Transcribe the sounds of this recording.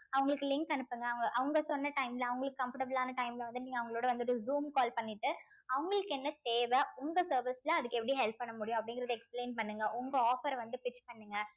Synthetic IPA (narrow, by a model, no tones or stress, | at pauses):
ɐʋɐŋɡɐɭɯkːɯlɪŋkɐnɯpːɯŋɡɐɐʋɐŋɡɐʔɐʋɯŋɡɐsɔnːɐʈɐɪmlɐɐʋɐŋɡɐɭɯkːɯkːɐmfɐʈɐbɐlaːnɐʈɐɪmlʋɐnd̪ɯniːŋɡɐʋɐŋɡɐɭoːɽɐʋɐnd̪ɯɔɽɯzuːmkaːlpɐɳːɪʈːɯ | ɐʋɐŋɡɐɭɯkːɛnːɐt̪eːʋɛʊŋɡɐsɐːɾʋɪslãɐðɯkːɯɛpːɐɽiɦɛlpːɐɳːɐmʊɽɪjʊ̃ɐpːɐɽɪŋɡɪɾɐðɯɛkspleːnpɐɳːɯŋɡɐʔʊŋɡɐoːfɐɾʋɐnd̪ɯpɪt͡ʃːpɐɳːɯŋɡɐ